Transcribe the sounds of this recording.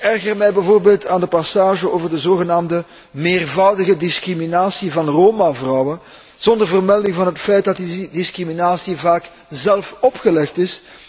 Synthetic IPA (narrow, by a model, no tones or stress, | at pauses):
ɛrɣərmɛjbɛvoːrbeːlˠtʰaːndəpɑsaːʒəoːvərdəzoːɣənaːmdə | meːrvʌwdəɣədɪskriminaːsivɑnroːmavrɔwən | z̥ɔndərvərmɛlˠdɪŋvɑnɦətfɛjt̚dɑtdidɪskriminaːsivaːk | zɛlˠfɔpxəlɛxtɪs